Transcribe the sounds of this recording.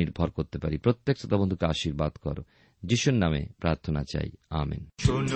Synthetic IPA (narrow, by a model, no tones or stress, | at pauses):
iɾbʱɔɾkoɾt̪epaɾipɾot̪ːek̚t͡ɕot̪abond̪ʱukeaʃiɾbad̪kɔɾo̰ | d͡ʑiʃunnamḛpɾaɾt̪ʰonat͡ɕa̰jamḭn